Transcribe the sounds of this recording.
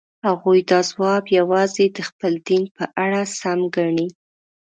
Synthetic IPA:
haɣujd̪ɑzwɑbjawɑzed̪əxpəld̪inpəʔaɽasamɡaɳi

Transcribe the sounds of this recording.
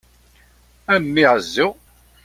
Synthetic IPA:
æmːiʕəzːʊ

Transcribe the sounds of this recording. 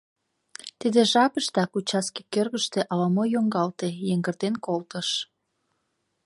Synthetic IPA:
t̪id̪eʒɑpəʃt̪ɑkut͡ɕɑskikørɣəʃt̪eʔɑlɑmojoŋɡɑlt̪ejeŋɡərd̪enkolt̪əʃ

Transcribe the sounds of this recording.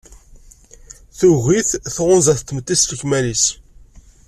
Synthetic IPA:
θuɣiθθʁʊnzæθt̪ːəmət̪ːistəçmælis

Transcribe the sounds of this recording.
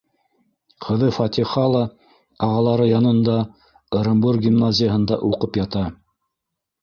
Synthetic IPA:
qʰɤ̆ðɤfɑt̪ʲiχɑlˠɑ | ɑʁɑlˠɑɾɤjɑnɤ̆nd̪ɑ | oɾombuɾɡʲimnazʲɪjəɦɤ̆nd̪ɑ̰ʔuqɤpjɑt̪ɑ

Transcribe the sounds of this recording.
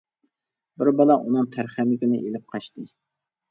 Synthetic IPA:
bɪɾbɑlˠɑʔunɨŋt̪ʰæɾχæmɪkʲɪnɪ̰ʔelɪp̚qʰɑʃt̪ɨ

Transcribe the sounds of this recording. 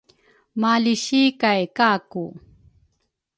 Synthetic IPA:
maliɕikajkaːku

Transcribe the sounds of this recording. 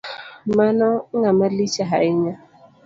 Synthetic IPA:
manɔŋamalit͡ʃaɦaɪɲa

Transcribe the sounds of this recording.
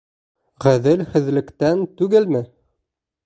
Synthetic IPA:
ʁæðɘlhɘ̆ðlɘ̆kt̪ænt̪ʉɡɘlmɘ

